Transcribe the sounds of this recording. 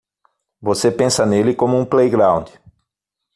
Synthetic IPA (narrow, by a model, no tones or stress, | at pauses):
vosepẽsɐnelɪkõmʊũplejɡɾãw̃d̪ɪ